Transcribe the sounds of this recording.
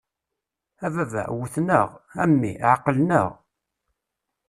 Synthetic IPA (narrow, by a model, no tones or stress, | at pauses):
ævævæ̰wəθnəʁæmːḭʕɑqːəlnəʁ